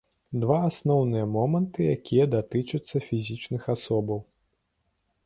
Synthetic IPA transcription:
d̪vaːsnɔwnɨjɐmɔmɐnt̪ɨjakʲʰijɐd̪at̪ɨt͡ʂɐt̪sːɐfʲizʲit͡ʂnɨxasɔbɐw

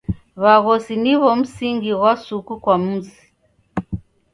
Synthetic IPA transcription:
βaɣɔsiniβɔm̩siŋɡiɣwasukukwam̩zi

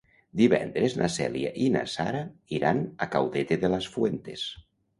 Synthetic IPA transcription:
d̪iβɛ̰nd̪ɾeznʔasɛljaʔina̰sa̰ɾaiɾʔanakawðet̪eðelasfwent̪es

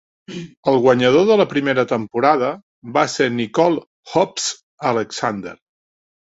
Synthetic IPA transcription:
əlˠɣwəɲəð̞oðələpɾimeɾət̪əmpuɾaðə | βasenikɔlˠ | hɔps | ələksand̪ə̰ɾ

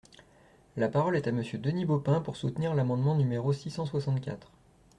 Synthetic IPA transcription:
lapaʁɔlɛt̪aməsjød̪ənibopɛ̃puʁsut̪niʁlamɑ̃d̪mɑ̃nymeʁosisɑ̃swasɑ̃t̪̚kʲa̰t̪χ

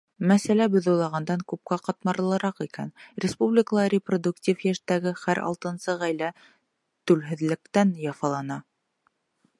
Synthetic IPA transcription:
mæsælæbɵ̆ðŏwlˠɑʁɑnd̪ɑŋkʉp̚kæqɑt̪mɑɾlˠɤ̆ɾɑqikænɾʲɪspublʲɪkəlˠɑɾʲɪprod̪uktʲifjæʃt̪æɡɘχæɾɑ̰lˠt̪ɤ̆nsɤʁæjlæ | t̪ʉlɦɘ̆ðlɘ̆kt̪ænjɑfɑlˠɑnɑ

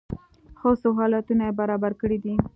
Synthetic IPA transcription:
xosoɦɑlat̪unajebaɾɑbaɾkəɽid̪i

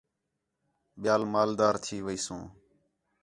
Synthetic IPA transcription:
ɓɪjaːlmaːld̪aːɾt̪ʰiːʋəiːsũː

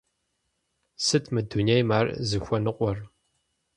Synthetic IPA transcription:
sɨtʰmɨdunejmaːrzɨxʷɔnɨqʷʼɔr

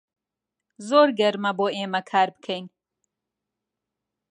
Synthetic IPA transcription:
zoːɾɡɛɾmɐboːeːmɐkʰaːɾbɨkʰeŋ

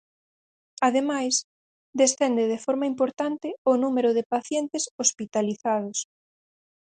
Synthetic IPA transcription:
aðemajs | d̪est̪ɛnd̪eðefɔɾmaimpoɾt̪ant̪ɪʊnumeɾʊðɪpaθjɛnt̪ɪsospit̪aliθað̞ʊs

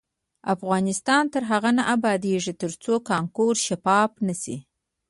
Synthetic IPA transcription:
afɣɑnɪst̪ɑnt̪əɾɦaɣanaʔabɑd̪eʐit̪əɾt͡sokɑŋkoɾʃapɑpnasi

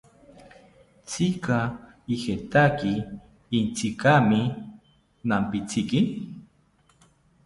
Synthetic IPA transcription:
t͡sika | ixet̪akiː | nt͡sikami | nampit͡sikin

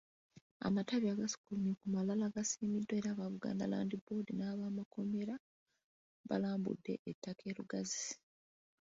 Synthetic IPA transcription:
a̰mataβjaːɡasi̥kulunikumalalaɡasiːmidːwe̞ːɾaːβaβuɡa̰ːnda̰la̰ːndibo̞dinaːβaːmako̞me̞ɾa | βa̰laːmbṵdːe̞̰ʔetːakʰe̞ːluɡazi̥

